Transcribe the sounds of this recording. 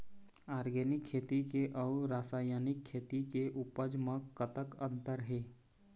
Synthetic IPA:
aːɾɡɛːnɪkʰːeːt̪ikeʔəʊɾaːsaːjaːnɪkʰːeːt̪ikeʔupəd͡ʒməkːət̪əkə̃nt̪əɾɦeː

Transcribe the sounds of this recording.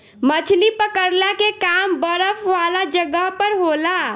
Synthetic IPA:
mət͡ʃʰlipəkəɾlakekaːmbəɾəfʰʋaːlad͡ʒəɡəɦpəɾɦoːlaː

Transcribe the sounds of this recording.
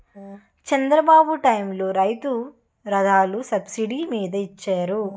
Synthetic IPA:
t͡ʃɛnd̪ɾɐbaːbuʈɐjmloːɾɐjt̪u | ɾɐd̪aːlusɐbsiɖimiːd̪ɐit͡ʃːaːɾu

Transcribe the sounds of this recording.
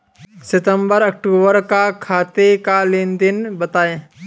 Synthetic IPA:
sɪt̪ə̃mbəɾɐk̚ʈuːbəɾkakʰaːt̪ekalɪ̃nd̪ɪnbət̪aːe

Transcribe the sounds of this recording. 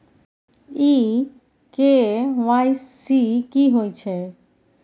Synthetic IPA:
i | kewajsikiɦojt͡ɕʰe

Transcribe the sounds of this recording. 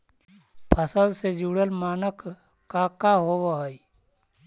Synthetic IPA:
pʰəsəd̪sed͡ʒuːɽəlmaːnəkː | akaɦoːwaɦoi

